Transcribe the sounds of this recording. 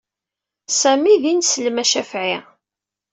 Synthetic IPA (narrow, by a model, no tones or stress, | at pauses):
sæmiðinsələmæʃæfʕi